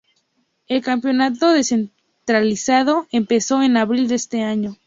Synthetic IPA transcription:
e̞lkampjo̞nat̪o̞ðese̞n | t̪ɾalisað̞o̞empe̞so̞e̞naβɾild̪est̪e̞aɲo̞

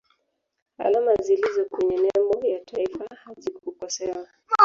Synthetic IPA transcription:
a̰lamazilizɔkuɲanɛmbɔjatʰaifahazikukɔsɛwa

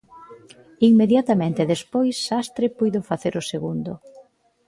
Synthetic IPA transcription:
iŋmeðjat̪amẽnt̪eðespojsːast̪ɾepujðofaθeɾʔʊseɣund̪ʊ

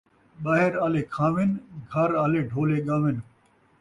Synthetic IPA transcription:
ɓaːɦɪɾaːleːkʰãːʋɪnɡʱɐɾaːleːɖʱoːleːɠãːʋɪn

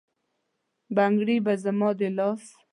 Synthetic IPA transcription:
baŋɡɽibazamɑd̪elɑs

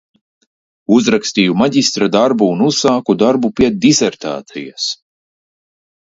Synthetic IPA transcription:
uzɾakst̪iːjumaɟist̪ɾad̪aɾbuːnuz̥saːkud̪aɾbupiɛd̪izɛɾt̪a̰ːt̪sḭjas

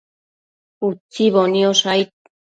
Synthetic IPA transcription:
ut͡siβoniosajt̪̚

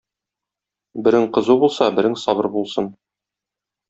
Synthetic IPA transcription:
bɘ̆ɾɘŋqɤ̆zubulˠsɑbɘ̆ɾɘŋsɒbɤɾbulˠsɤn

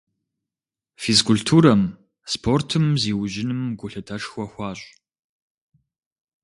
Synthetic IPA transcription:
fiskʰʊltʰuːɾɐm | spʰortʰɨmziːwʑɪnɨmɡʷʊɬɨtʰɐʂxʷɔxʷɑːɕʼ

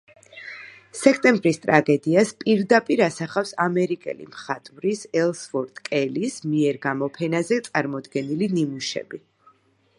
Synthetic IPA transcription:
sɛkʰt̪ʼɛmbɾist̪ʼɾaɡɛd̪iaspʼiɾd̪apʼiɾasaχafsamɛɾikʼɛ̰lḭmχat̪ʼvɾisɛlˠsfɔɾt̪ʼkʼɛlismiɛɾɡamɔpʰɛnazɛt̪sʼaɾmɔd̪ɡɛnilinimuʃɛ̰bi

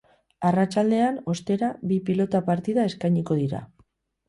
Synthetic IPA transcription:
arat͡ʃald̪e̞ano̞st̪e̞ɾaβipilo̞t̪apaɾt̪iðae̞skajɲiko̞ð̞iɾa̰

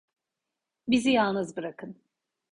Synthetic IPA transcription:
bizijalˠnɯzbɯɾakʰɯn

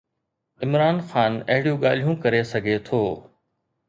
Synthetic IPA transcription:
ɪmɾaːnxaːnɐɦɪɽijũɠaːl̤ijũkɐɾesɐɡʱet̪ʰoː

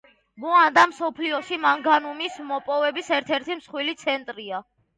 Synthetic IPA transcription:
mɔand̪amsɔpʰliɔʃimaŋɡanumismɔpʼɔvɛbisɛɾt̪ʰɛɾt̪ʰimsχwilit̪sʰɛnt̪ʼɾia

